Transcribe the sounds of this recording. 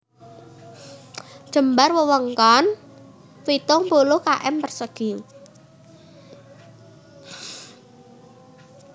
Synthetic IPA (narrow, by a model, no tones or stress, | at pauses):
ʒ̥ə̤mbarwəwəŋkɔn | wit̪ʊŋpulʊhkaʔɛmpərsəɡ̥i